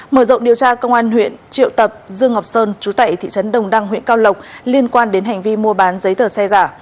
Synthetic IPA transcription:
məː˧˩zə̰˧˨wŋ͡mɗi˨˩əwt͡ɕaː˧kə˧wŋ͡mʔaː˧nɦwḭ˧˨ənt͡ɕḭ˧˨əwt̪ə˨˩p̚zɨ˧əŋɦa˨˩wk͡p̚səː˧nt͡ɕu˨˦t̪a̰ː˧˨jt̪ʰḭ˧˨t͡ɕə˨˦nɗə˨˩wŋ͡mɗa˧ŋɦwḭ˧˨ənkaː˧wlə˨˩wk͡p̚li˧ənkwaː˧nɗe˨˦nɦa˨˩jŋ̟vi˧mu˧əɓaː˨˦nzə˨˦jt̪ʰəː˧˩sɛ˧zaː˧˩

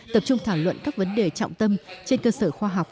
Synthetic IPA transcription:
t̪ə˨˩p̚t͡ɕʊ˧ŋ͡mt̪ʰaː˧˩wlwə̰˧˨nkaː˦˥k̚və˨˦nɗe˨˩t͡ɕa̰˧˨wŋ͡mt̪ə˧mt͡ɕe˧nkəː˧səː˧˩xwaː˧ɦa˨˩wk͡p̚

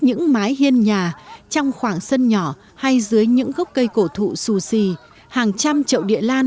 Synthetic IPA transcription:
ɲɨ̰˧˥ŋmaː˨˦jhi˧ənɲaː˨˩t͡ɕɔ˧wŋ͡mxwaː˧˩ŋsə˧nɲɔ˧˩ | ha˧jzɨ˨˦əjɲɨ̰˧˥ŋɣə˦˥wk͡p̚kə˧jko˧˩t̪ʰṵ˧˨su˧˩si˧˩ | haː˨˩ŋt͡ɕa˧mt͡ɕə̰˧˨wɗḭ˧˨əlaː˧n

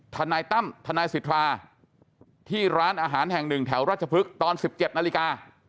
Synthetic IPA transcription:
t̪ʰa˧naː˧jt̪a˥˩mt̪ʰa˧naː˧jsi˨˩˥t̪ʰɾaː˧ | t̪ʰiː˥˩ɾaː˦˥nʔaː˧ɦaː˩˦nɦɛ˨˩ŋnɯ˨˩ŋt̪ʰɛː˩˦wɾaː˥˩t̪̚t͡ɕʰa˧pʰɯ˦˥k̚t̪ɔː˧nsi˨˩p̚t͡ɕe˨˩t̪̚na˧li˦˥kaː˧

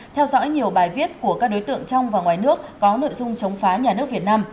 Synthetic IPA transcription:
t̪ʰɛ˧wzɔ̰˧˥jɲi˨˩əwɓaː˨˩jvi˦˥ət̚ku˧˩əkaː˦˥k̚ɗo˨˦jt̪ɨ̰˧˨əŋt͡ɕɔ˧wŋ͡mvaː˨˩ŋwaː˨˩jnɨ˦˥ək̚ːɔ˨˦no̰˧˨jzʊ˧ŋ͡mt͡ɕə˨˦wŋ͡mfaː˨˦ɲaː˨˩nɨ˦˥ək̚vi˨˩t̚naː˧m

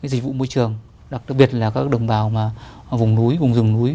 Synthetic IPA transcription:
aː˧˦jzi˨˩k̟̚vṵ˧˨mo˧jt͡ɕɨ˨˩əŋ | ɗa˨˩k̚k̚ɓi˨˩ət̚laː˨˩kaː˦˥k̚ɗə˨˩wŋ͡mɓaː˨˩wmaː˨˩vʊ˨˩ŋ͡mnu˨˦jvʊ˨˩ŋ͡mzɨ˨˩ŋnu˨˦j

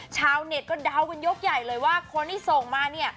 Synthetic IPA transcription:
t͡ɕʰaː˧˥wne˨˩t̪̚kɔː˥˩da˧wka˧njo˦˥k̚ja˨˩jlɤː˧jwaː˥˩kʰo˧nt̪ʰiː˥˩so˨˩ŋmaː˧ni˦˥˩ɐ

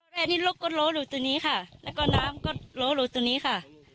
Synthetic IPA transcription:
ɾaː˧˨niː˦˥˩lo˦˥k̚ːo˧˥t̪̚loː˦˥duː˧˩t̪u˧ŋniː˦˥kʰa˥˩lɛː˦˥wkɔː˥˩naː˦˥mkɔ˥˩t̪̚loː˦˥duː˧˩t̪u˧əniː˦˥kʰa˥˩

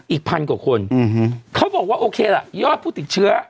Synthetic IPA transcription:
ʔiː˨˩k̚pʰa˧nkwaː˨˩kʰo˧n˨˩˦kʰa˦˥wbɔː˨˩k̚waː˥˩ʔoː˧kʰeː˧la˨˩ʔjɔː˥˩t̪̚pʰuː˥˩t̪i˨˩t̪̚t͡ɕʰɯ˦˥ɐ

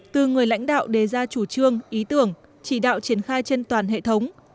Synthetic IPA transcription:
t̪ɨ˨˩ŋɨ˨˩əjla̰˧˥jŋ̟ɗa̰ː˧˨wɗe˨˩zaː˧t͡ɕu˧˩t͡ɕɨ˧əŋʔi˨˦t̪ɨ˧˩əŋ | t͡ɕi˧˩ɗa̰ː˧˨wt͡ɕi˧˩ənxaː˧jt͡ɕe˧nt̪waː˨˩nɦḛ˧˨t̪ʰə˨˦wŋ͡m

